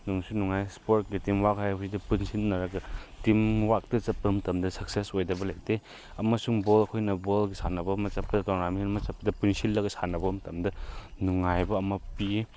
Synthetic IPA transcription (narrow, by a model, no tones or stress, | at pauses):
nuŋsunuŋajspoɾt̚ɡitimwakajbusidɐpunsilnːɐɾɐɡɐtimwak̚tɐt͡ʃɐp̚pɐmɐtɐmdɐsɐksesojdɐbɐlɐk̚de | ɐmɐsuŋbolɐkʰojnɐbolɡisʰanɐbɐmɐt͡ʃɐp̚ːɐdɐtɔŋnaminɐmɐt͡ʃɐpːɐdɐpunsilːɐɡɐsanɐbɐmɐtɐmdɐnuŋajbɐːmɐpie